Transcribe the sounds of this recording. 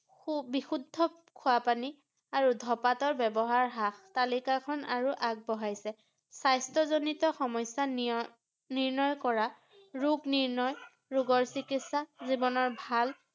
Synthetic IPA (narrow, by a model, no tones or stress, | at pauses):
ubixudʱːɔ | kʰʊapani | aɹudʱɔpatɔɹbɛbɔɦaɹɦaxtalikakʰɔnaɹuʔaɡ̚bɔɦajsɛ | sajstɔzonitɔxɔmɔjsa | niɹnɔjkɔɹa | ɹuɡniɹnɔj | ɹuɡɔɹsikitsazibɔnɔɹbʱal